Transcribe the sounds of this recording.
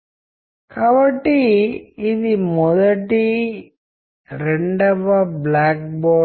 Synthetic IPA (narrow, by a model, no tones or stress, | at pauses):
kaːbɐʈːiː | d̪imɔd̪ɐʈi | ɾeɳɖɐʋːɐblaːk̚bɔː